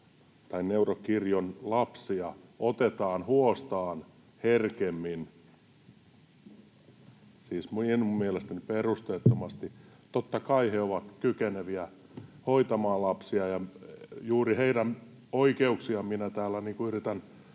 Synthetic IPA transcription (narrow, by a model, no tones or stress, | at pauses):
t̪ɑinneurokirjonlɑpsiɑot̪et̪ɑːnhuost̪ɑːn | herkemːin | siːsmuenmumːielest̪æniperust̪eːt̪ːomɑst̪i | t̪ot̪ːɑkɑiheoʋɑt̪kykeneʋiæ | hoit̪ɑmɑːllɑpsiɑjɑjuːriheidæn | oikeuksiɑminæt̪æːlːæniːŋkuyrit̪æn